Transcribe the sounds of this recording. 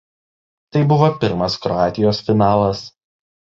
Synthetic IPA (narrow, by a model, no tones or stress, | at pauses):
t̪ɐɪbʊʋoːpʲɪɾmɐskɾɔɑːt̪ʲɪjoːsfʲɪnɑːlˠɐs